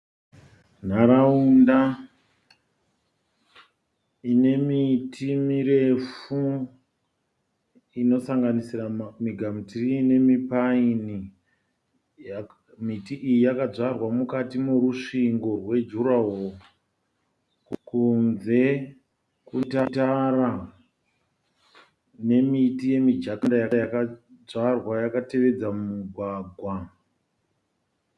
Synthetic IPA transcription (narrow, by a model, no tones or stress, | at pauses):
n̤aɾaunda | ine̞mitʰimiɾe̞fu | ino̞saŋɡanisiramiɡʱamutrine̞mipaini | mitiʔijijakad͡zarwamukatimuɾuʂiŋɡo̞rwe̞d͡ʒuɾaɦo | kunze̞ | kutatara | ne̞mitije̞mid͡ʒakandajakajakad͡zarwajakate̞ʋe̞d͡zamumuɡʱwaːɡʱwa